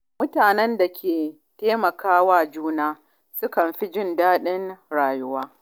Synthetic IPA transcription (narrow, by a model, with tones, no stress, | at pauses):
mʊ˦taː˨nɛ˦nda˨kʲʰeː˨ | teː˦mɐ˨kaː˦waː˦˨d͡ʒuː˦naː˦ | sʊ˦kɐ˨mɸi˦d͡ʒɪ˦ndaː˦ɗɪ˦nɽaː˨jʊ˦waː˦